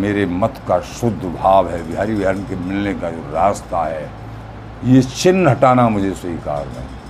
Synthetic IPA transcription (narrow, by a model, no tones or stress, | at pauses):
meːɾemɐt̪ʰkaʃʊd̪ʱːbʱaːʋɦɛbɪɦaːɾibaːɾnkemɪlnekad͡ʒoːɾaːst̪aɦɛː | jet͡ʃɪnːɦɐʈaːnamʊd͡ʒʱesɐɦika̰ːɾmḛ̃